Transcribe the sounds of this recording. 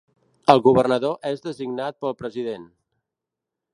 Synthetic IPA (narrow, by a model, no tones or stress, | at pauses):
əlˠɣuβərnəðoʔezðəziɡnat̪̚pəlˠpɾəziðen